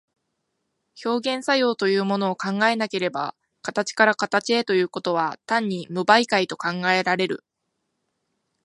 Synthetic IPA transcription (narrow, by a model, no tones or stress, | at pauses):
ço̞ːɡẽ̞ɰ̃sajo̞ːt̪o̞jɯ̟ːmo̞no̞ːkãŋɡae̞nake̞ɾe̞ba̰ | kat̪at͡ɕi̥kaɾakat̪at͡ɕie̞t̪o̞jɯ̟ːko̞t̪o̞β̞at̪ãɲ̟ːimɯ̟baikait̪o̞kãŋɡae̞ɾaɾe̞ɾɯ̟̰